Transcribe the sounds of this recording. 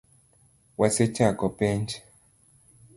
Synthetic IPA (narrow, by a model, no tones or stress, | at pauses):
waset͡ʃakɔpɛɲd͡ʒ